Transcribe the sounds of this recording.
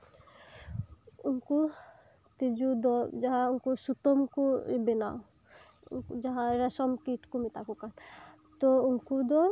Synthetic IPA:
uŋku | t̪id͡ʒud̪ɔd͡ʒaɦauŋkusut̪ɔmkuebena̰ | unkud͡ʒaɦaɾɛsɔmkiʈkumit̪akukan | t̪ɔuŋkud̪ɔ

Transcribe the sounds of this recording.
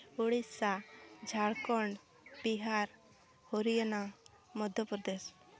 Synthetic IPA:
uɽissad͡ʒʱaɽkɔɳ | biɦaɾ | hoɾijana | mɔd̪ʱjɔpɾɔd̪es

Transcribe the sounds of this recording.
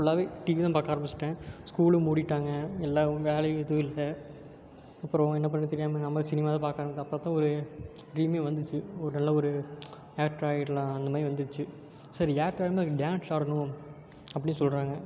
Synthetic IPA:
ɔɭːaːʋeːʈiːʋiːt̪ãːpaːɾkaːɾɐmbɪt͡ʃːɪʈːẽːskuːɭɯmuːɽɪʈːaːŋɡɐɛlːaːʋeːlɐɪðɯɪlːɐ | ɐpːɯɾɐ̃ɛnːɐp̬ːɐɳːt̪ɛɾɪjaːmɐnɐmːɐsɪnɪmaːðɐ̃paːɾkaːɾɐmɐk̪ːɐpːɐt̪ːãːɔɾɯɾiːmeːʋɐnd̪ɯt͡ʃːɯɔɾɯnɐlːɐɔɾɯ | jaːk̚ʈɾaːɪʈlɐnd̪ɐmaːdɾiʋɐnd̪ɯɯt͡ʃːɯ | sɐɾiaːk̚ʈɾaːɪɾɐmeːkːɖjaːnsaːɾɐnʊ̃ | ɐpːɐɽɪnːɯsɔlɾaːŋɡɐ

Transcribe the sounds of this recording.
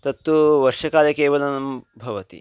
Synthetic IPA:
t̪ɐt̪ːuʋɐɾʂɐkaːlɐkeːʋɐlɐnɐmbʱɐʋɐt̪ḭ

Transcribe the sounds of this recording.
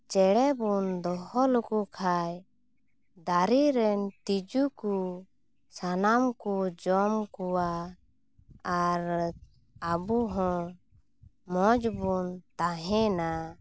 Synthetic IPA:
t͡ʃɛɽɛbund̪ɔɦɔlukukʰaj | d̪aɾiɾɛnt̪id͡ʒuku | sanamkud͡ʒɔmkuwa | ɾ | abuɦɔ̃ | mɔd͡ʒbunt̪aɦɛ̃na

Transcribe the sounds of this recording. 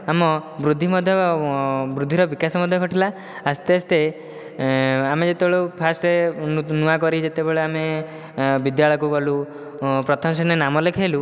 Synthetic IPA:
amɔbɾud̪ʱːimɔd̪ʱjɔ | bɾud̪ʱːiɾɔbikasɔmɔd̪ʱjɔɡʱɔʈilaː | st̪east̪e | amed͡ʒet̪ebeɭopʰasʈenuakɔɾid͡ʒet̪ebeɭeame | bid̪jaɭɔjkukɔlu | pɾɔt̪ʰɔmsenenamɔlekʰelu

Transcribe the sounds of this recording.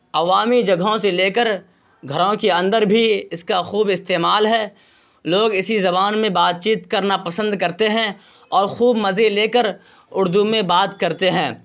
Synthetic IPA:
ɐʋaːmid͡ʒɐɡʱõseleːkəɾ | ɡʱɐɾõkeɐ̃nd̪əɾbʱiɪskaxuːbɪst̪eːmaːlɦɛː | loːɡɪsizɐbaːnmẽbaːt̪̚t͡ʃiːt̪kɐɾnapɐsə̃nd̪kɐɾt̪eɦɛ̃ | ɔːɾxuːbmɐzeleːkəɾ | ʊɾd̪umẽbaːt̪kɐɾt̪eɦɛ̃ː

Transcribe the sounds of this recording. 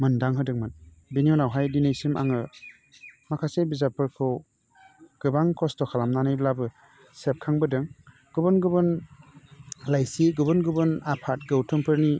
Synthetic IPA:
mɯndaŋɦɯdɯŋmɯn | biniɔnawɦajdinejsima̰ŋɯ | makʰasebizapɯɾkʰɯw | ɡ̥ɯbaŋkʰɔstɔkʰalamnanajdlabɯ | sep̚kʰaŋbɯdɯŋ | ɡ̥ɯbɯnɡɯbɯn | lajsiɡɯbɯnɡɯbɯnapʰat̚ɡɯwtʰɯmpʰɯɾni

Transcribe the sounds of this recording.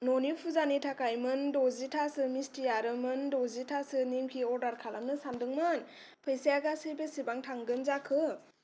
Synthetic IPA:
nɔnipʰuzanitʰakajmɯndɔzitʰasɯmistiaɾɯmɯndɔzitʰasɯnimkʰiɔɾdaɾkʰalamnɯsandɯŋman | pʰejsijaɡasɯjbesibaŋtʰaŋɡɯnzakʰɯ

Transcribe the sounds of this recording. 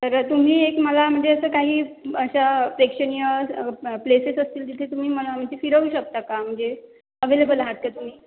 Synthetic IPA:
t̪əɾt̪um̤iːekməlam̤əɳd͡zeəsəːkaɦiːəɕapɾekʂəɽ̃ijəplesesəst̪iːlt̪it̪ʰet̪um̤iːməlam̤əɳd͡ʑefiɾəʋuːɕək̚t̪akam̤əɳd͡ze | əʋelebəlɦat̪̚kat̪um̤iː

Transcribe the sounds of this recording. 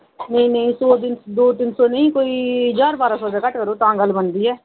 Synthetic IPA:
nəĩnəĩsɔːd̪ɪnd̪oːt̪ɪnsɔːnəĩːkoːiːd͡ʒaːɾbaːɾãːsɔːd̪aːkəʈkəɾoːt̪ãːɡəlːbənd̪iːɛː

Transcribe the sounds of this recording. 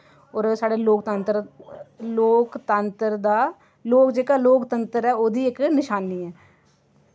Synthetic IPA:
ɔːɾsaːɽeːloːkt̪ənt̪əɾ | loːkt̪ənt̪əɾd̪aː | loːkd͡ʒeːkaːloːkt̪ənt̪əɾɛːoːd̪iːɪknɪʃaːniːɛː

